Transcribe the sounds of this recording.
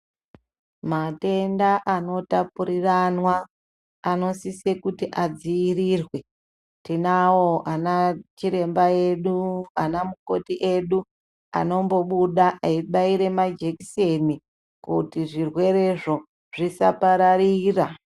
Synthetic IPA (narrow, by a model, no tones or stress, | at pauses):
mate̞ndaʔano̞tapuɾiranwaː | no̞sise̞kutiʔad͡ziiriːrwe̞ | tinawoʔanat͡ʃiɾe̞mbae̞ɗuanamuko̞tiʔe̞ɗu | a̰no̞mbo̞ɓuɗaʔaiɓaiɾe̞mad͡ʒe̞kise̞ni | kutiʐirwe̞ɾe̞ʐo̞ | ʐ̥isa̰paɾaɾiːra